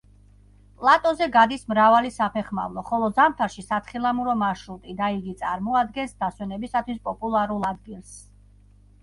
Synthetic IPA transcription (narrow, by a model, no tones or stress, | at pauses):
pʼlˠat̪ʼɔzɛɡad̪ismɾavalisapʰɛχma̰vlˠɔχɔlˠɔzamt̪ʰaɾʃisat̪sʰχilˠamuɾɔmaʃɾut̪ʼid̪aiɡit̪sʼaɾmɔad̪ɡɛnsd̪aswɛnɛbisat̪ʰwispʼɔpʼulˠaɾulˠad̪ɡilˠs